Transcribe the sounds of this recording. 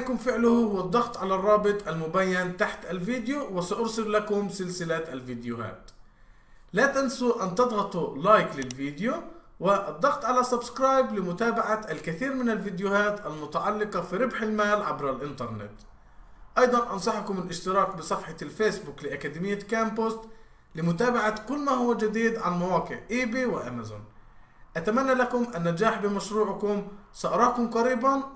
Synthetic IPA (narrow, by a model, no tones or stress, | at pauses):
kʊmfɪʕlʊhhʊwːad̪ˤːɑɣt̪ˤʕalarˤːɑːbɨt̪ˤʔalmʊbaːjːant̪aħt̪ʔalviːd̪jowɪsɑʔʊɾsɪlːakʊmsɪlsɪlat̪ʔalviːd̪jʊha̰ːt̪ | laːt̪ansuʔant̪ɑd̪ˤɣɑt̪ˤulaːjklɪlviːd̪ɪju | wɪʔd̪ˤːɑɣt̪ˤʕalasabskɾɑːjblɪmʊt̪aːbaʕaalkɪθiːɾmɪnalviːd̪jʊhaːt̪ʔalmʊt̪aʕɑlːɪqɑfiɾɪbħɪlmaːlʕabɾalʔɪnt̪ɑɾˤnɪ̰t̪ | ʔɑjd̪ˤɑnʔɑnsˤɑħkʊmɪlʔɪʃt̪ɪɾɑːkbɪsˤɑfħɑlfeːsbuklɪʔakaːd̪ɪmɪjːakaːmpost̪ | lɪmʊt̪aːbaʕakʊlːmahʊwːad͡ʒad̪iːd̪ʕanmawaːqɪʕʔiːbiwɪʔamazʊ̰n | ʔat̪amanːalakʊmʔanːad͡ʒaːħbɪmaʃɾuːʕkʊmsɑʔɑɾˤɑːkʊmqɑɾiːban